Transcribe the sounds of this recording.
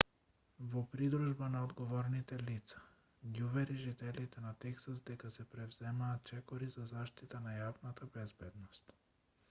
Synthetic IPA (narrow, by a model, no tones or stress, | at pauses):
vɔpɾid̪ɾuʒbanaɔd̪ɡɔvɔɾnit̪ɛlit̪sḁ | ɡiuvɛɾiʒit̪ɛlit̪ɛnat̪ɛksasd̪ɛkasɛpɾɛvz̥ɛmaːt̪̚t͡ʃɛkɔɾizazaʃt̪it̪anajavnat̪abɛzbɛd̪nɔst̪